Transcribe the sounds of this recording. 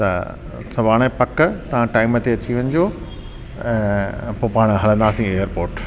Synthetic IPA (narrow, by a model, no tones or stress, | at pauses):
t̪ɐ̰ | sɐʋaːɽ̃epɐkt̪ɐʋ̤ãʈaːɪmət̪eɐt͡ɕiʋɐñɪ̆d͡ʑõː | poːpaːɽ̃ɦɐlə̃nd̪aːsĩeːjəɾpoːɾʈ